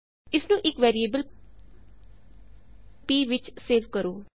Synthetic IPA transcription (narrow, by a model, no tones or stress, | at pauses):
ɪsnũːʔɪkʋɛːɾieːbəl | piːʋɪt͡ʃseːʋkəɾoː